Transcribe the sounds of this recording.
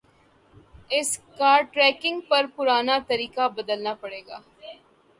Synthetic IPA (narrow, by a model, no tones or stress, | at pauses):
ɪskaːɾʈɾɛːkɪ̃ŋɡ̚pɐɾpʊɾaːnat̪ɐɾiːkabɐd̪əlnapɐɽeːɡa̰ː